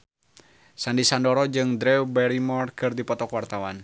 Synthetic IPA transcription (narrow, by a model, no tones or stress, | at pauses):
sandisandɔɾɔd͡ʒɨŋd̪ɾɛwbɛɾimɔrkɨrdipɔt̪ɔkwart̪awan